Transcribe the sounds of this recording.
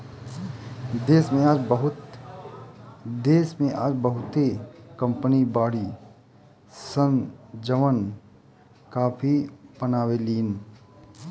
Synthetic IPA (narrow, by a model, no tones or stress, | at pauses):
d̪eːsmẽaːd͡ʒbəɦʊt̪ | d̪eːsmẽʔaːd͡ʒbəɦʊt̪ekə̃mpənibaːɽi | sənd͡ʒəʋən | kaːpʰipənaːweliːn